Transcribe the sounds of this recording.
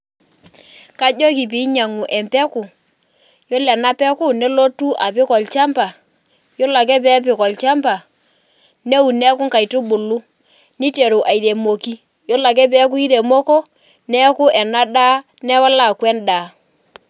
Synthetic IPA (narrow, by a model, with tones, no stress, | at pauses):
ka˦d͡ʒo˦k̬i˨p̬i˨˦ɲa˨ŋu˨ʔɛ˨mpɛ˦ku˨ | jo˦lɛ˨na˦pɛ˦kʊ˦nɛ˦lo˦tu˦ʔa˨pɪ˦kɔ˨lt͡ʃa˦mpa˨ | jo˦la˨kɛ˦pɛ˦p̬ɪ˨kɔ˨lt͡ʃa˦mpa˨ | ne˦u˨nɛ˦kʊ˦ŋka˨i˨tu˦ɓʊ˨lu˦ | ni˦te˨ɾu˨ʔa˨i˨ɾe˨mo˨ki˦ | jo˦la˨k̬ɛ˦p̬ɛ˦k̬u˦i˦ɾe˨mo˦ko˦ | nɛ˦kʊ˦ʔɛ˨na˦da˦ | nɛ˦wa˦la˨kwɛ˦ndaː˨